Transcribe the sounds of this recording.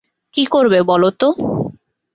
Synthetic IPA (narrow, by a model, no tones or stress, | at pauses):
kikoɾbebɔlot̪o